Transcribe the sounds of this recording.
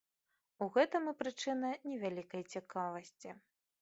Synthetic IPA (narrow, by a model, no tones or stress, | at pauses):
uɣɛt̪ɐmɨpɾɨt͡ʂɨnɐnʲɛvʲalʲikɐjt͡sʲikavɐsʲt͡sʲi